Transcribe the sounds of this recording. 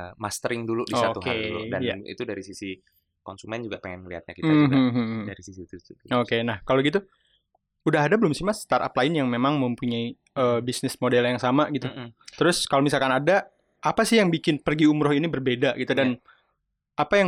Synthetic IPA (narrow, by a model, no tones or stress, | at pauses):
mast̪əɾɪŋduludisoauɦka̰dulṵdajnaḭt̪udaɾisisi | kɔnsumɛnd͡ʒuɡapeŋɛnŋəliɦa̰t̪̚ɲa̰kit̪aɦ̩ɦdaɾisisit̪utuokenahkaloɡit̪u | udaɦadabəlʊmsimast̪aɾa̰plaɪnjaŋmemaŋməmpuɲai | əːbisnɪsmodɛljaŋsamaɡit̪ut̪əɾʊskalomisalkanada | apasɪhjaŋbikɪnpərɡiumɾʊhinibərbedaʔɡit̪udan | ʔapajaŋ